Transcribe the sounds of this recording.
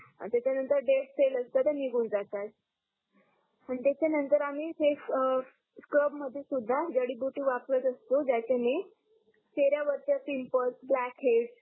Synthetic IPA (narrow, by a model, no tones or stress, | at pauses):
t̪jat͡ɕanənt̪əɾɖeʈseləst̪at̪əniɡʱuːnd͡zat̪at̪̚ | anit̪jat͡ɕanənt̪əɾamiːsef | skəbməd̪ʱːjesud̪ʱːad͡ʑəɽiːbjuʈiːʋaplət̪əst̪od͡ʑat͡ɕane | t͡ɕeɾjaʋəɾt̪jasimpəsblækɦeɖ